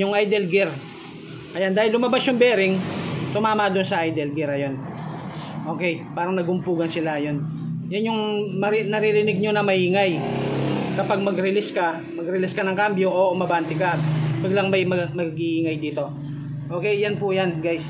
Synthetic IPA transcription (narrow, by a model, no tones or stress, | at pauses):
jʊŋʔajd̪ɛlɡɪɾ | ʔɐjand̪aːhɪlːʊmɐbasjʊŋbɛːɾɪŋsʊmaːmɐd̪ʊnsɐʔajd̪ɛlɡɪɾɐjon | ʔo̞ːkɛjpaːɾɐŋnɐɡʊmpuːɡɐnsɪlajon | jɐnjʊŋmɐɾnɐɾiɾɪnɪɡ̚ɲonɐmɐhiːŋaj | kɐpaɡ̚mɐɡɾɪlɪskɐ | mɐɡɾɪlɪskɐnɐŋkambjoʔomɐbant̪ɪkaʔɐt̪̚wɐɡlaŋmɐjmɐmɐɡiʔiːŋajd̪iːt̪o̞ | ʔoːkɛjːanpʊjanɡajs